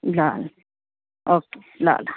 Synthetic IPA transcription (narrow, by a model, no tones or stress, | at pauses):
lal | ʔoke̥ | la̰ːla